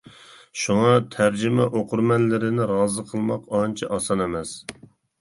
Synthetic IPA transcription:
ʃuŋɑt̪ʰæɾd͡ʒɪmɛʔoqʰʊɾmɛnlɪɾɪnɪɾɑːzəqʰəlˠmɑqɑnt͡ʃʰiʔɑsɑnemɛs

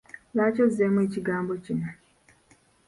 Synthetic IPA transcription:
laːt͡ʃɔziemuet͡ʃiɡaːmbot͡ʃina

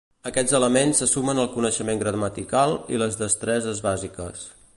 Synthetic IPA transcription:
əkɛd͡zələmensːəsumənəlˠkunəʃəmeŋɡɾəmət̪ikalˠḭləzðəst̪ɾɛzəzβazikəs

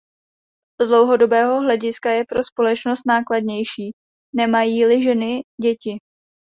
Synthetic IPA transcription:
zdlo̞wɦo̞do̞bɛːɦo̞ɦlɛɟɪskajɛpɾo̞spo̞lɛt͡ʃno̞st̪naːkladɲɛjʃiː | nɛmajiːlɪʒɛnɪɟɛcɪ

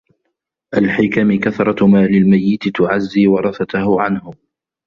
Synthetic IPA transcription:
ʔalħɪkamɪkaθɾˤɑmaːlɪlmajːɪt̪t̪ʊʕazːiːwɑɾˤɑθat̪ʊhʊʕanhʊ

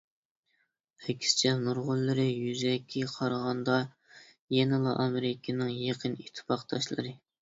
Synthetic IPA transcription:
ɛkʲʰɪ̥st͡ʃʰɛnuɾʁʊlˠːɨɾɨjyzɛkʲʰːɛqʰɑɾʁɑnd̪ɑ | jɛnɨlˠɨʔɑmeɾɪkʲʰɪnɨŋjeqʰənit̪ʰːɨ̥pɑqt̪ʰɑʃlˠɨ̰ɾɨ

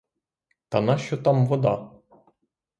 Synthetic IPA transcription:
t̪ɐnɑʃt͡ʃɔt̪ɑmʋɔd̪ɑ

